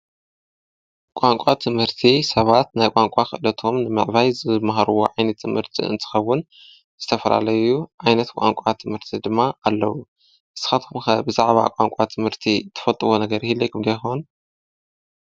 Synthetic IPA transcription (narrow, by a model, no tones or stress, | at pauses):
kʷʼaŋkʷʼat̪ʰɨmhɨɾt̪ʰisɐβat̪najkʷʼaŋkʼaxɨ̰ʔɨlɐt̪ʰo̞mnɨmɨʕβajzɨmaɦaɾuwo̰ʕajnɐt̪ʰːɨmhɨɾt̪ʰḭɨ̰nt̪ʰɨ̥xɐwʊn | z̥ɨt̪ʰɐfɐla̰lɐjuʕajnɐt̪kʷʼa̰ŋkʷʼat̪ʰɨmhɨɾt̪ʰid̪ɨmːaːlːɐwu | ʔɨsɨ̥xat̪ʰumxɐbɨzaʕβa̰kʷʼaŋkʷʼat̪ʰɨmhɨɾt̪ʰit̪ʰɨ̥fɐt̪ʼɨβonɐɡɐɾhilːɐjkʰɨmd̪ɐjxon